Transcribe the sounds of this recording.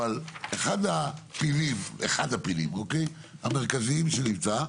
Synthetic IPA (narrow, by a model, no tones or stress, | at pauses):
valeχad̪apilimḛχad̪apilḭmokej | hame̞ʁ̞kaziimʃenimt͡saa